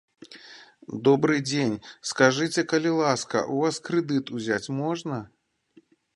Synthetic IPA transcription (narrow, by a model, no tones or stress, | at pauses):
d̪ɔbɾɨd͡zʲenʲskaʐɨt͡sʲɛkɐlʲilˠaskɐ̰ʔuvaskɾɨd̪ɨt̪uzʲat͡sʲmɔʐnɐ